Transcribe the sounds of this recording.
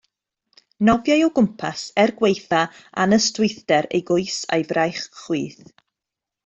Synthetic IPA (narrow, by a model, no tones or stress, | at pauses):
nɔvjajɔɡʊmpʰasɛrɡwejθaa̰nəstʊjθd̥ɛɾḛjɡʊɨsa̰jvrajχχwiːθ